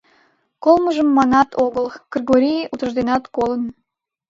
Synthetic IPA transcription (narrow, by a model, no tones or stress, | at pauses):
kolˠməʒəmːɑnɑt̪ʰoɣəlˠɡ̥rʲiɣoɾʲijʔut̪əʒd̪enɑt̪kolən